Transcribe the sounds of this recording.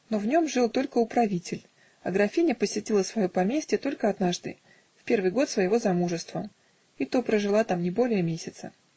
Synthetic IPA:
no̞vnʲo̞mʐɨlˠt̪o̞lʲkəʊpɾɐvʲitʲɪlʲ | ɐ̰ɡɾɐfʲinʲəpəsʲɪtʲilˠəsvɐjopɐmʲesʲtʲɪt̪o̞lʲkəɐd̪naʐd̪ɨ̰ | fpʲe̞rvɨjɡo̞t̪svəjɪvo̞zɐmuʐɨst̪və | it̪opɾəʐɨlˠat̪amnʲɪbo̞lʲɪjəmʲesʲɪt̪sə̰

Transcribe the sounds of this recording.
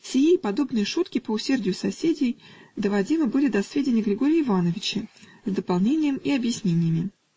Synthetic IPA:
fsʲɪjeipɐd̪o̞bnɨjəʂut̪kʲɪpəʊsʲe̞rdʲɪjʊsɐsʲedʲɪjd̪əvɐdʲimɨbɨlʲɪd̪ɐsvʲedʲɪnʲɪjɡɾʲɪɡo̞ɾʲjəɪvanəvʲɪt͡ɕə | zd̪əpalˠnʲenʲɪjəmiɐbjɪsʲnʲenʲɪjəmʲɪ

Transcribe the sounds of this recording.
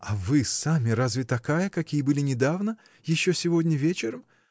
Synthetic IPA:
ɐvɨsamʲɪɾazvʲɪt̪ɐkajəkɐkʲijəbɨlʲɪnʲɪd̪avnə | jɪɕːosʲɪvo̞dʲnʲəvʲet͡ɕɪɾəm

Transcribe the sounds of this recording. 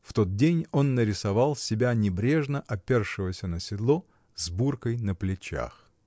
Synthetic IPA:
ft̪o̞t̪̚dʲenʲo̞nːəɾʲɪsɐvɑlˠsʲɪbʲanʲɪbɾʲeʐnəʔɐpʲerʂɨvəsʲənəsʲɪd̪lˠo | zburkəjnəplʲɪt͡ɕa̰x

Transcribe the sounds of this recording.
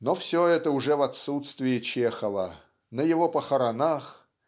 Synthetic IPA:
nofsʲoɛt̪əʊʐɛvɐt̪sut̪st̪vʲɪɪt͡ɕexəvə̰ | nəjɪvopəxəɾɐnax

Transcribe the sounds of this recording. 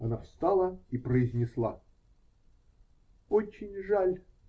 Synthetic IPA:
ɐnafst̪alˠəipɾəɪzʲnʲɪslˠa̰ | ot͡ɕːɪnʲʐalʲ

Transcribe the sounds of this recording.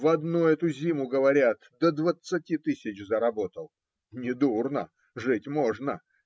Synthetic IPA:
vɐd̪nuɛt̪ʊzʲimʊɡəvɐɾʲat̪d̪əd̪vət̪sɨtʲit̪ɨsʲɪt͡ɕzəɾɐbo̞t̪əlˠ | nʲɪd̪urnə | ʐɨtʲmoʐnə

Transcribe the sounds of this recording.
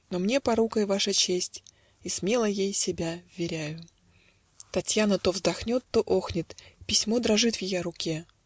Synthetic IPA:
nomnʲe̞pɐɾukəjvaʂət͡ɕesʲtʲ | ismʲe̞lˠəjejsʲɪbʲavvʲɪɾʲæjʊ | t̪ɐtʲjanət̪o̞vzd̪ɐxnʲo̞t̪ːo̞ʔo̞xnʲɪt̪pʲɪsʲmo̞d̪ɾɐʐɨt̪vjɪjaɾʊkʲe̞

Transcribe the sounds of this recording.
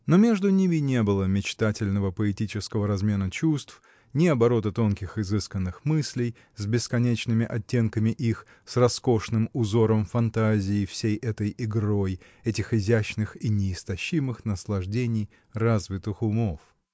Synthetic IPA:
no̞mʲeʐd̪ʊnʲimʲɪnʲe̞bɨlˠəmʲɪt͡ɕt̪atʲɪlʲnəvəpəɪtʲit͡ɕɪskəvəɾɐzmʲe̞nət͡ɕust̪f | nʲɪɐbɐɾo̞t̪ət̪o̞nkʲɪxɪzɨskənːɨxmɨsʲlʲɪj | zʲbʲɪskɐnʲet͡ɕnɨmʲɪʔɐtʲːe̞nkəmʲɪʔix | srɐsko̞ʂnɨmʊzo̞ɾəmfɐnt̪azʲɪːfsʲejʔɛt̪əjɪɡɾo̞j | ɛtʲɪxɪzʲæɕnɨxinʲɪːst̪ɐɕːimɨxnəslˠɐʐdʲenʲɪj | razvʲɪt̪ɨxʊmo̞f

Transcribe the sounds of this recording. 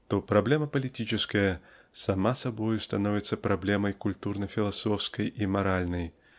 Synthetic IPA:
t̪ɔpɾablʲɛmɐpɐlʲit̪ʲit͡ʃɪskɐjɐ | samasabɔjust̪anɔvʲit̪sːɐpɾablʲɛmɐjkulʲt̪urnɐfʲilˠasɔfskɐjimaɾalʲnɐj

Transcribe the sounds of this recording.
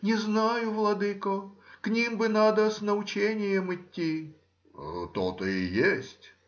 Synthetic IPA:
nʲɪznajʊvlˠɐd̪ɨkoknʲimbɨnad̪əsnəʊt͡ɕenʲɪjəmɪtʲːi | t̪ot̪əijesʲtʲ

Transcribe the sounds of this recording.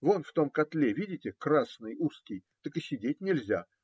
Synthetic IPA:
vonft̪o̞mkɐt̪lʲevʲidʲɪtʲɪkrasnɨjuskʲɪjt̪əkɨsʲɪdʲetʲnʲɪlʲzʲa

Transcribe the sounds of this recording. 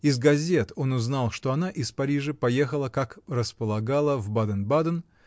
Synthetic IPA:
ɪzɡɐzʲe̞t̪o̞nʊznɑlˠʂt̪o̞ɐnaʔɪspɐɾʲiʐɨpɐje̞xəlˠəkakrəspəlˠɐɡalˠəvbad̪ənbad̪ən

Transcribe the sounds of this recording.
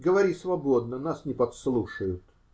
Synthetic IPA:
ɡəvɐɾʲisvɐbo̞d̪nənasnʲɪpɐt̪slˠuʂəjʊt̪

